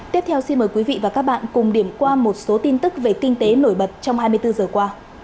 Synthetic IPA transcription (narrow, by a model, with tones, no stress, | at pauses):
t̪i˦˥p̚t̪ʰɛ˧wsi˧nməː˨˩jkwi˨˦vḭ˧˨vaː˨˩kaː˦˥k̚ɓa̰ː˧˨nkʊ˨˩ŋ͡mɗi˧˩əmkwaː˧mo˨˩t̚so˨˦t̪i˧nt̪ɨ˦˥k̚ve˨˩kï˧ŋ̟t̪e˨˦no˧˩jɓə˨˩t̚t͡ɕɔ˧wŋ͡mhaː˧jmɨ˧əjt̪ɨ˧zəː˨˩kwaː˧